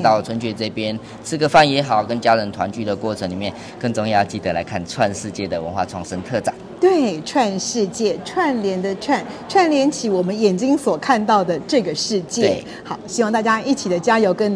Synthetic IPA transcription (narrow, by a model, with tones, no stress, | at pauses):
t̪ɑ˥˩˨t͡sʰwə˧˦nt͡ɕʰɥɛ˧˩t͡sɤ˥˩pjɛ˦n | t͡sʰɹ̩˥˧ɡə˧˦fa˥˩njɛ˧˥xɑ˨˩ʊkə˦nt͡ɕja˦˥ɻə˧˥nt̪ʰwa̰˧˦nt͡ɕy˥˩d̪ə˩kwɔ˥˩ʈ͡ʂʰə˧˦ŋli˨˩mjɛ˥˨˩n | kə˥˧˩ŋt͡so˥ŋjɑ˥˧ʊt͡ɕi˥˩t̪ə˧˦la̰˧ɪkʰa˥˩˨nʈ͡ʂʰwa˥˧nʂɻ̩˥˧t͡ɕjɛ˥˩d̪ə˩wə̰˧˦nxwa̰˥˧ʈ͡ʂʰɑ˧˥ŋʂə˦ŋt̪ʰɤ˥˩ʈ͡ʂa˨˩˦ŋt̪we˥˩ʈ͡ʂʰwa˥˧nʂɻ̩˥˧t͡ɕjɛ˥˩ʈ͡ʂʰwa˥˧˩nljɛ˧˥nd̪ə˨ʈ͡ʂʰwa˥˩n | ʈ͡ʂʰwa˥˧nljɛ˧˥nt͡ɕʰi˧˥wɔ˨˩mə˨˦njɛ˨˩nt͡ɕi˥ŋswɔ˨˩kʰa˥˧nt̪ɑ˥˩ʊd̪ə˩ʈ͡ʂɤ˥˩ɡə˩ʂɻ̩˥˧t͡ɕjɛ˥˩˥ | xɑ˨˩˦ʊɕi˧˥wɑ˥˧ŋt̪a˥˩t͡ɕja˥ʔi˥˩t͡ɕʰi˨˩d̪ə˦t͡ɕja˥jo˧˥ʊkə˦n